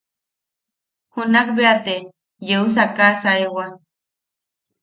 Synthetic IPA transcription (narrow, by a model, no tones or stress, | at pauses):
hunakbeat̪e | jeus̬akasaewa